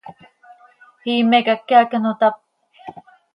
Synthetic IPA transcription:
hiːmekakːeakənot̪ap̚

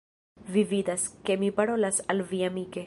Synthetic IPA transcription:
vividaske̞mipaɾo̞lasalviamike̞

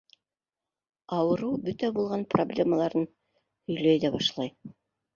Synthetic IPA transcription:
ɑwɤ̆ɾɤwbɵt̪æbulˠʁɑnproblʲeməlˠɑɾɤn | hɵ̆jlæjðæbɑʃlˠɑj

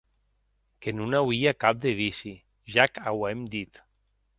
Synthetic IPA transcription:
kenunawiakap̚d̪eβisi | ʒakawɛmd̪it̪

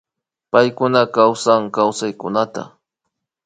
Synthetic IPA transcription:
pajkʊnakawsaŋkawsajkʊnat̪a̰

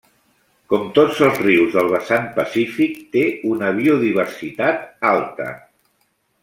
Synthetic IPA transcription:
kɔmt̪od͡zəlˠzriwzðəlˠβəsanpəsifik̚t̪eunəβ̞iuðiβ̞ərsit̪at̪alˠt̪ə̰

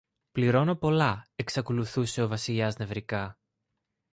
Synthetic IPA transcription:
pliɾo̞no̞po̞lɐe̞ksɐko̞luθuse̞ovɐsiʎɐzne̞vɾikɐ

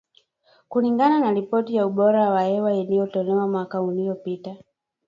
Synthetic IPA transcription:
kuliŋɡananaɾipɔtijauɓɔɾawahɛwailijɔtɔlɛwamwakaulijɔpita

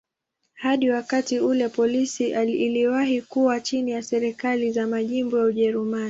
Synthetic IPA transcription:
haɗiwakatiulɛpɔlisiːliwaɦikuwat͡ʃinijasɛɾikalizamaʄimbɔjauʄɛɾumani

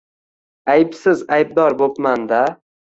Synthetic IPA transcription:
ajpsɪzajb̚d̪ɒɾbopmand̪a

